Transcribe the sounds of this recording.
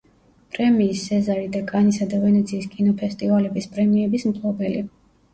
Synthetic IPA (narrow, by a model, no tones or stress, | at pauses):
pʼɾɛmiːsːɛzaɾid̪akʼanisad̪avɛnɛt̪sʰiːskʼinɔpʰɛst̪ʼivalɛbispʼɾɛmiɛbismt̪ʼlɔbɛli